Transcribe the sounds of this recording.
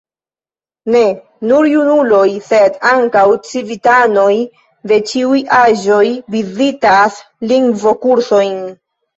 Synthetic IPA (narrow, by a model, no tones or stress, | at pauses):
ne̞ | nuɾjunulo̞jse̞daŋkawt͡sivitano̞j | de̞t͡ʃiujaʒo̞jvizitas | liŋɡvo̞kuɾso̞jn